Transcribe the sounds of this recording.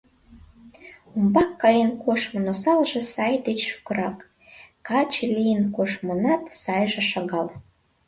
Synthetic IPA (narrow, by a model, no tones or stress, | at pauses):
umbɑkːɑjenkoʃmənosɑlʒĕsɑjd̪et͡ɕʃu̥kəɾɑkː | ɑt͡ɕelijənkoʃmənɑt̪sɑjʒĕʃɑɣɑl